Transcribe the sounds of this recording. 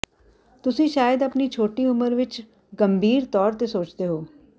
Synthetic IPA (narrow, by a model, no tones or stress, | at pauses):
t̪ʊsĩːʃaːjəd̪əpniːt͡ʃʰoːʈiːʊməɾʋɪt͡ʃ | ɡəmbʱiːɾt̪ɔːɾt̪eːsoːt͡ʃd̪eːɦoː